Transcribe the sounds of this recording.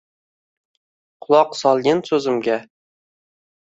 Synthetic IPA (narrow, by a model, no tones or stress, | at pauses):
qʰʊlˠɒqsɒlˠɡʲɪnsɵzɪ̆mɡʲæ